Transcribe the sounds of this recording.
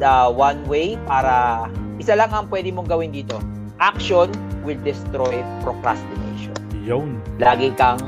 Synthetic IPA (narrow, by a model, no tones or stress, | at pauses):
ɐwanwejpaːɾɐʔɪsalɐŋɐŋpwɛːd̪ɪmoŋɡɐwɪnd̪iːt̪o̞ | ʔak̚ʃonwɪld̪ɛst̪ɾojpɾokɾa̰st̪ɪnḛjʃo̰njonlaːɡɪkɐŋ